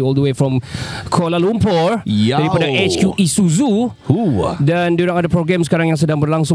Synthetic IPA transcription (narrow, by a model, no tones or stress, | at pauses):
ɔldəwefɹɔ̃mkʰɔlalumpɔɹjdaɾipadaɛt͡ʃkjuʔisuzu | udɛ̃nduɾãŋadəpɾoɡɾɛ̃msə̥kaɾãŋjãŋs̬ədãŋbərlaŋsʊ̃